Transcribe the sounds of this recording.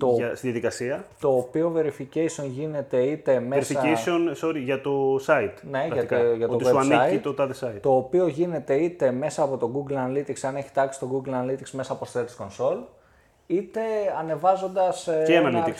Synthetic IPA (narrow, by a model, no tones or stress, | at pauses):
t̪oɐst̪iðjɐðikɐsiɐt̪o̞ːpio̞ve̞ɾificesio̞nʝine̞t̪e̞it̪e̞meɾsiɐesionsoɾiʝɐt̪o̞sɐit̪ne̞ʝɐiʝɐt̪ovtiwesuɐnsiɐit̪ot̪ɐðesɐit̪t̪o̞ːpio̞ʝine̞t̪e̞it̪e̞me̞sɐːpo̞t̪o̞ɡuɡlɐnɐlit̪iksɐne̞çi̥t̪ɐksi̥t̪o̞ɡuɡlɐnɐlit̪iksme̞sɐːpo̞sθet̪isko̞nso̞l | it̪e̞ɐne̞vɐzo̞nd̪ɐsenɐlii